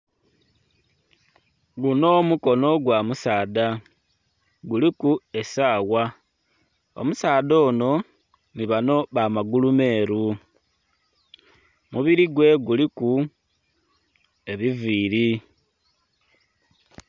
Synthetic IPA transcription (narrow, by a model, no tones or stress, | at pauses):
ɡuno̞muko̞no̞ɡwamusaːða | ɡulikue̞saːwa | o̞̰musaːðo̞ːno̞ | niβano̞βamaɡulume̞ːɾu | muβiɾiɡwe̞ɡuliku | e̞βiviːɾi